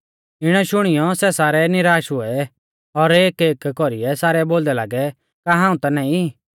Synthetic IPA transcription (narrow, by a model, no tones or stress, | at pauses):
ɪɽ̃ɔʃʊɽ̃ɪjɔsɛsaːɾɛnɪɾaːʃɦʊɛ | ɔɾeːkeːkːɔɾɪɛsaːɾɛboːld̪ɛlaːɡɛ | kaɦãːũt̪ɐnãːĩ